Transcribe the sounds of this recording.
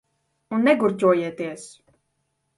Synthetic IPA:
unːɛɡuɾtuɔjɛːt̪iɛs

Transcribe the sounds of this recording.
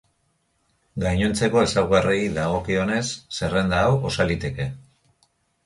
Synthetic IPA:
ɡajɲont͡se̞ko̞e̞sawɣareiðaɣo̞kio̞ne̞sːe̞re̞nd̪aːwo̞salit̪e̞ke̞

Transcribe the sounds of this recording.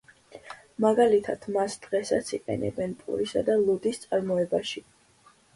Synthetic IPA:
maɡalit̪ʰad̪̥masd̪̥ʁɛsat̪sʰiqʼɛ̰nɛ̰bɛnpʼṵɾisad̪alˠud̪ist̪sʼaɾmɔɛbaʃi

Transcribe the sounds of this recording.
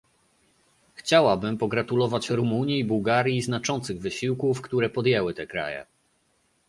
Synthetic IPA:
xt͡ɕawabɘmpɔɡɾat̪ulɔvat͡ɕɾumuɲiːbuwɡaɾʲjiznat͡ʂɔnt̪sɘɣvɘɕiwkufkt̪uɾɛpɔd̪jɛwɘt̪ɛkɾa̰jɛ̰

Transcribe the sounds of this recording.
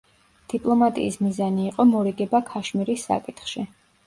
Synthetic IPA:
d̪̥ipʼlˠɔmat̪ʼḭːsmizaniːqʼɔmɔɾiɡɛbakʰaʃmiɾisːa̰kʼit̪ʰχʃi

